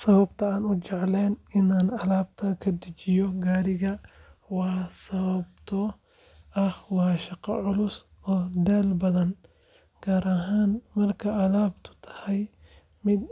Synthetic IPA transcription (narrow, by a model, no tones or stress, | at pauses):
sɐβɐbt̪ʰɐaːnʊt͡ʃɑʕlɛːnɪnaːnɐlaːbt̪ʰɐkʰɐd̪ɪt͡ʃɪjɔɡaːɾɪɣɐwɑːsɐβɐbt̪ʰɔ | ɐhwɑːʃɑqɑ̰ʕʊlʊs | ɔːd̪ɛːlbɐðɐn | ɡ̥aːɾɐɦaːnmɐrkʰɐʔɐlaːbt̪ʰʊ̥t̪ʰɐ̥hɛj | mɪd̪